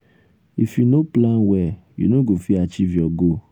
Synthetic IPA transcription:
ifinoplãnwɛ | jḭnoɡofiat͡ʃiviɔɡo

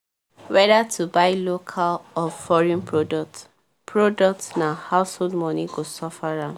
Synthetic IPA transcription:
wɛdatʰubaɪlokʰalɔfɔɹĩnpʰɹodɔk̚t | pʰɹodɔk̚tnahaʊsholdmɔ̃niɡosɔfaɹã

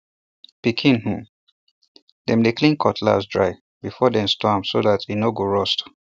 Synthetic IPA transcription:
pikʰĩnhu | dɛ̃mdeklĩnkʰɔtʰla̰sdɹaɪ | bifɔdɛ̃mstʰamsoðatʰinoɡoɹɔst

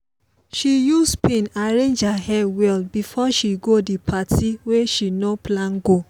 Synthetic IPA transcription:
ʃijuspʰẽnaɹẽnd͡ʒhahɛwɛlbifɔʃiɡodipʰatʰiweʃinoplãnɡo

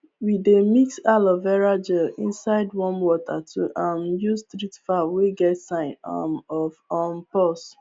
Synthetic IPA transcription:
widemiksalɔvɛɹad͡ʒɛlḭ̃nsaɪdwɔ̃nwɔtʰatʰuʔãmjustɾitfaweɡɛtsãɪ̃nɔɔmpɔs

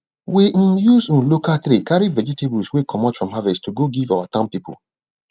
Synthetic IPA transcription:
wim̩juz̩lokatɾikaɾivɛd͡ʒitebuswekʰɔmɔtfɹɔ̃mɦavɛstuɡoɡivawatãmpipʊ̰

